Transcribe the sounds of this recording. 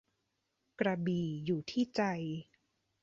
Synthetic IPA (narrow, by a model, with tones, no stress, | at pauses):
kɾa˧biː˨˩juː˨˩t̪ʰiː˥˩t͡ɕa˧j